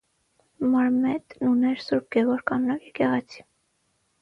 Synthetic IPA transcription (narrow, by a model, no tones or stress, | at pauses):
mɑɾmɛt̪nunɛɾsuɾb̚ɡɛvɔɾkɑnnɑkjɛkɛʁɛt͡sʰi̥